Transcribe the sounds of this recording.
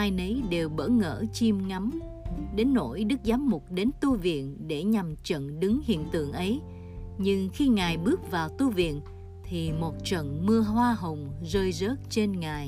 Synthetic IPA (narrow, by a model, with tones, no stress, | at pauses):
ʔaː˧jnə˨˦jɗe˨˩wɓə̰ː˧˥˩ŋə̰ː˧˩t͡ɕi˧mŋa˨˦m | ɗe˨˦nːo̰˧˩jɗɨ˦˥k̚zaː˨˦mːʊ˨˩k͡p̚ɗe˨˦nt̪u˧vḭ˧˨ənɗe˧˩ɲa˨˩mt͡ɕə̰˧˨nɗɨ˨˦ŋhḭ˧˨ənt̪ɨ̰˧˨əŋʔə˨˦j | ɲɨ˧ŋxi˧ŋaː˨˩jɓɨ˦˥ək̚vaː˨˩wt̪u˧vḭ˧˨ən | t̪ʰi˨˩mo˨˩t̚t͡ɕə̰˧˨nmɨ˧əɦwaː˧ɦə˨˩wŋ͡mzəː˧jzəː˦˥t̚t͡ɕe˧nŋaː˨˩j